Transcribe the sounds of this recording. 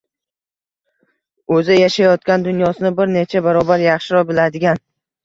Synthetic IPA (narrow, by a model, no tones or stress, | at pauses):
ɵzɪjaʃajɒt̪kʲand̪ʊnjɒsɪnɪbɪɾne̞t͡ʃʰabaɾɒbaɾjɑχʃɪɾɒbɪlad̪ɪɡʲan